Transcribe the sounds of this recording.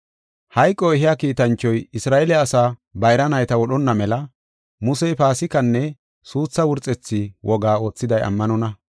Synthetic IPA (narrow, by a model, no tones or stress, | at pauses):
hɐjkʼːɔɛɦɪjaːkiːt̪ɐnt͡ʃːɔjɪsɾaːʔɛlɛɐsaːbɐjɾɐnɐjt̪ɐwɔɗɔnːɐmɛlɐ | mʊsɛjpaːsɪkːɐnːɛ | suːt͡sːɐwʊɾt͡sʼɛt͡sːɪwʔɔɡaːo̞ːt͡sːɪd̪ɐjɐ̰mːɐnɔnɐ